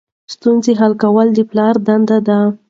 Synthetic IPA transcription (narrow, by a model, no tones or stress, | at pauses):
st̪unzeɦalkawəld̪əplɑɾd̪and̪ad̪a